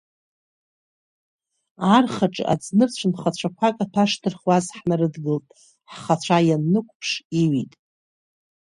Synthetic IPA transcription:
arχaʈ͡ʂʼʔa̰d͡znɨrt͡ɕʷʰɨnχat͡ɕʷʰakʷʰakʼatʰaʂtʰɨrχwazħnarɨdɡɨltʼ | ħχat͡ɕʷʰajanːɨkʷʰʼpʰʂiɥitʼ

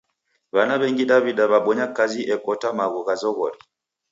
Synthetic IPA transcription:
βanaβɛŋɡiɗaβiɗaβaɓɔɲakaziʔɛkɔtamaɣuɣazɔɣɔli

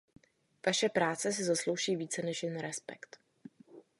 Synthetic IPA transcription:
v̥aʃɛpɾaːt͡sɛs̬ɪzaslo̞wʒiːviːt͡sɛnɛʃjɪnɾɛspɛ̰kt̪

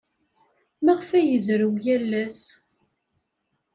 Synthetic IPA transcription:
mæʁfæjəzɾəwjælːæs

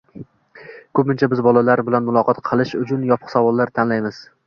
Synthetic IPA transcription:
kʰɵpmɪnt͡ʃʰabɪzbɒlalaɾbɪlanmʊlˠɒqʰɒt̪qʰɨlˠɪʃʊt͡ʃʰʊnjɒpʰʊ̥qsavɒlˠːaɾt̪ʰanlajmɪz̥

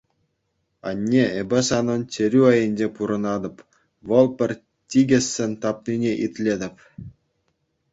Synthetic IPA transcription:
ɑ̰nʲːeebʲɘ̆sɑnɤ̆nt͡ɕʲeɾʲyɑjɘ̆nʲd͡ʑepuɾɤ̆nɑd̪ɤ̆p | ʋɤ̆lˠpʲɘ̆rʲ | tʲiɡʲɘ̆sʲːĕnʲt̪ɑp̚nʲinʲeʔit̪ʲlʲed̪ʲɘ̆pʲ

